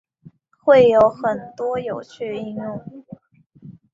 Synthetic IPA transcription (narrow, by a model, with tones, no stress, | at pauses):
xwe˥˩ɪjo˧˥ʊxə˨˩nt̪wɔ˥jo˨˩ʊt͡ɕʰy˥˧˩i˥˧ŋjʊ˥˩ŋ